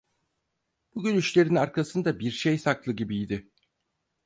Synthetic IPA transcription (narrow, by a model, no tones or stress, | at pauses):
b̥uɟʲynyt͡ʃlʲe̞ɾinaɾkʰasɯnd̪abiɾʃejsaklˠɯɟibijd̪ɪ